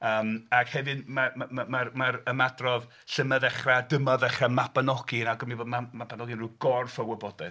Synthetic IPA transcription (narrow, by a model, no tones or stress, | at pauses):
əːmakhɛvɨnmamamamaɾmaɾəmadrɔv | ɬəməðɛχradəmaðɛχamapanɔɡɪnaɡɔmiboːdmamapanɔɡɨnruɡ̥ɔrfəwəbɔdɛ